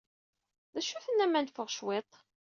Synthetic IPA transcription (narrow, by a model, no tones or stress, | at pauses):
ðæʃuθənːæmːænfəʁʃwet̪ˤ